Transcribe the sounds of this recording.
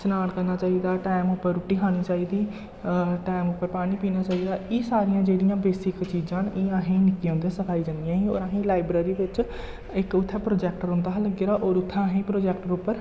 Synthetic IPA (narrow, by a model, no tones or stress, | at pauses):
sənaːɽkəɾnaːt͡ʃaːiːd̪aːʈaːɪmʊpːəɾːʊʈːiːkʰaːñiːt͡ʃaːiːd̪iː | ʈaːɪmʊpːəɾpaːɽ̃iːpiːnaːt͡ʃaːiːd̪aːiːsaːɾɪjãːd͡ʒeːɽɪjãːbeːsɪkt͡ʃiːd͡ʒãːnɪːãːɦĩːnɪkːiãːnd̪eãːsəkʰaːid͡ʒãːnd̪ɪjãːɦĩo̰ːɾãːɦĩːlaːɪbɾeːɾiːʋɪt͡ʃ | ɪkʊt̪ʰːɛːpɾoːd͡ʒɛːkʈəɾɦʊ̃nd̪aːɦləɡeːɾaːʔoːɾʊt̪ʰːaːɦĩːpɾoːd͡ʒɛːkʈəɾʊpːəɾ